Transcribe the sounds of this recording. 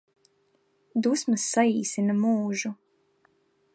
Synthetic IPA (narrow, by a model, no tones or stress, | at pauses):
d̪usmɐsːaiːsinɐmuːʒu